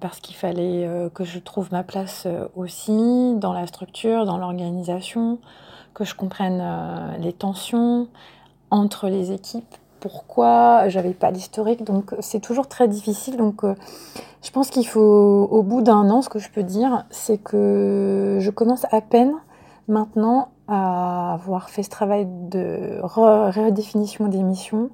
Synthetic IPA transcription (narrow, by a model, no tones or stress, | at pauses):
paʁsə̥kilfalɛøkəʒət̪χuvmaplasø̰osid̪ɑ̃last̪χyk̚t̪ʰyːʁd̪ɑ̃lɔʁɡanizasjɔ̃kəʒəkɔ̃pχɛnølet̪ɑ̃sjɔ̃ | ɑ̃t̪χəlezekʲʰipː | uʁkwaʒavɛpa̰list̪ɔʁikd̪ɔ̃ksɛt̪uʒuʁt̪χɛd̪ifisild̪ɔ̃køʒ̥əpɑ̃skʲilfoːbud̪ɛ̃nɑ̃sə̥kəʒəpød̪iʁsɛkʰə | ʒəkɔmɑ̃sapɛn | mɛ̃t̪nɑ̃ | aːvwaʁfɛsə̥t̪χavajd̪ə̰ʁəʁəd̪efinisjɔ̃d̪emisjɔ̃